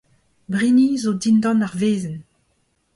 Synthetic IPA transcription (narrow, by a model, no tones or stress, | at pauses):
bʁinizodindɑ̃naʁveːzən